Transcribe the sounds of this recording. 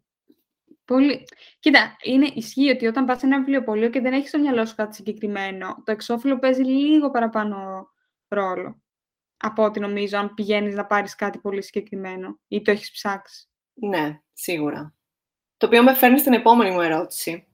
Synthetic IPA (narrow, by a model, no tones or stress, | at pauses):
po̞li | cit̪ɐine̞ʔisçio̞t̪io̞t̪ɐmbɐse̞nɐivlio̞po̞lio̞ce̞ðeneçist̪o̞mɲɐloso̥kɐt̪i̥siɲɟe̞kɾime̞no̞t̪o̞e̞kso̞filo̞pe̞ziliɣo̞pɐɾɐpɐno̞ | ɾo̞lo̞̰ | ɐpoot̪ino̞mizo̞ɐnpiʝe̞niznɐpɐɾiskɐt̪ipo̞lisiɲɟe̞kɾime̞no̞it̪oe̞çi̥spsɐksi̥ | ne̞ | siɣuɾɐ̰ | t̪oːpiomefe̞ɾnist̪ine̞po̞me̞nimue̞ɾo̞t̪i̥si